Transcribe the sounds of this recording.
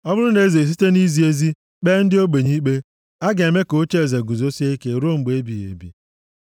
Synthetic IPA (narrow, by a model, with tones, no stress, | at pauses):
ɔ˦bʊ˦ɾʊ˦ne˦ze˨s̬i˦te˦ni˦zi˨e˦zi˦ | k͡pe˦n̩˦dɪ˦o˦ɡ͡be˨ɲi˦k͡pe˦ | a˦ɡe˨e˨me˦ko˨˦t͡ʃe˦e˨ze˨ɡu˨zo˦si˦e˦ke˦ɾo˦m̩˨ɡ͡be˦bi˨jḛ˨bḭ˨